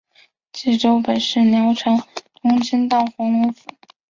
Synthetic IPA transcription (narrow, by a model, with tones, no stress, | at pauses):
t͡ɕi˥˩ʈ͡ʂo˥ʊpə˨˩nʂɻ̩˥˩njɑ˧˥ʊʈ͡ʂʰɑ˧˥ŋt̪ʰʊ˧˥ŋt͡ɕʰi˥nt̪ɑ˥˩ʊxwɑ˧˥ŋlɔ˧˥fu˨˩˦